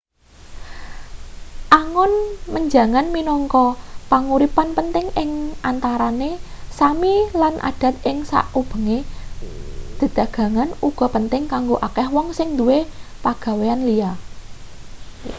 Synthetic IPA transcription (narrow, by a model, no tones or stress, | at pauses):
ʔaŋɔnməɲd͡ʒa̤ŋanminɔŋkɔpaŋuɾipanpənt̪ɪŋɪŋant̪aɾane | samilanʔa̰ɖ̥ä̤t̪̚ɪŋsa̰ʔub̥ə̤ŋe | d̪̥ə̤d̪̥ä̤ɡ̥ä̤ŋanuɡ̥ɔ̤pənt̪ɪŋkaŋɡoʔakɛhwɔŋsɪŋd̪uwepaɡ̥ä̤weanlia